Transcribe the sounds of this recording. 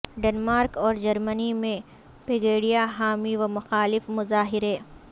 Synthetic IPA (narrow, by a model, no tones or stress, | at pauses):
ɖenmaːɾkɔːɾd͡ʒɐɾmənimẽ | pɪɡeːɽijaɦaːmiʋɐmʊxaːlɪfmʊzaːɦɪɾeː